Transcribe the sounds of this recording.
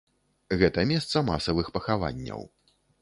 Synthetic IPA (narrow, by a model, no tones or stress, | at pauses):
ɣɛt̪ɐmʲɛst̪sɐmasɐvɨxpɐxava̰nʲːɐ̰w